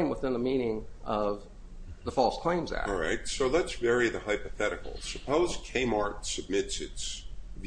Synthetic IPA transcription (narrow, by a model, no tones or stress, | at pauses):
ɪ̃mwəθɪ̃nðəmĩnɪ̃ŋʔʌv | ðəfɔlˠskʰl̥ẽɪ̃mzæ̰ɹaɪk̚tsoʊlətsvɛɹiðɨhaɪpɨθɛɾɨkl̩ˠsɨpʰoʊzkʰẽɪ̃mɑɹtsɨb̚mɪtsɨtsv